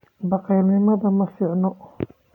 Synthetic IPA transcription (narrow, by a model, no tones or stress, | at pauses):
bɑqɛːlnɪmɐðɐmɐfɪʕnɔ